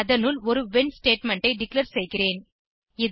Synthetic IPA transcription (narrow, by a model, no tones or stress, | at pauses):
ɐðɐnɯlɔɾɯʋɪnsʈeːʈmɛɳʈɐɪɖɪkleːɾsɛjɣɪreːn | ɪð